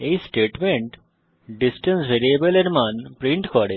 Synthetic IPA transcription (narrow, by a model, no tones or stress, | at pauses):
esʈeːʈmẽɳʈ | ɖisʈə̃nsʋeɾiebəleɾmanpɾĩɳʈkɔɽe